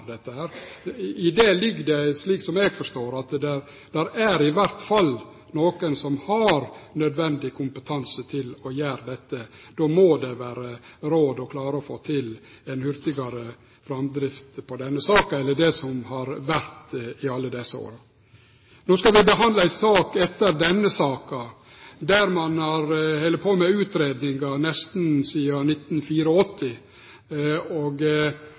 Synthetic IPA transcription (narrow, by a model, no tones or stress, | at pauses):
d̪ɛt̪ːəhæːɾɪd̪ɛːlɪɡːd̪ɛsliːksɔmɛɡfɔʂt̪oːɾɑt̪d̪ɛɾ | d̪̥æɾæɾɪʋæɾt̪fɑlː | noːkənsɔmhɑɾnœd̪ʋɛnd̪ɪkʰʊmpət̪ʰɑnsət̪ʰɪlɔjæːɾd̪ɛt̪ːəd̪̥oːmod̪ɛʋæːɾəɾoːd̪ɔkʰlɑːɾəɔfoːt̪ʰɪl | ɛnhʏɾt̪ɪɡɑɾə | fɾɑmd̪ɾɪft̪pʰɔd̪ɛnːəsɑːkɑɛlːəɖɛsɔmhɑɾʋæɾt̪ɪɑlːəd̪ɛsːəo̰ːɾɑ | noːskɑlʋɪbəɦɑnd̪ləæɪsɑːkɛt̪ːəɾd̪ɛnːəsɑːkɑ | d̪æɾmɑnhɑɾhæɪləpʰoːmɛʉːt̪ɾeːd̪nɪŋɡɑnɛst̪nsiːɑnɪt̪nfiːɾəɔt̪ʰːɪ | ɔɡ